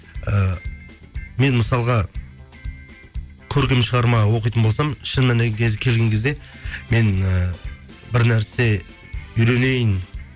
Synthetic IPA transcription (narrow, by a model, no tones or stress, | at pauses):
ə | me̞nməsɑlˠʁɑ | kʲʰɵɾkʲemʃəʁɑɾmɑwo̞qijt̪ənbo̞lˠsɑmʃənːɑnekʲʰezkʲʰe̞lɡʲe̞ŋkʰʲe̞zd̪e̞me̞nə | bɪɾnæɾse̞ | ʏjɾe̞ne̞jən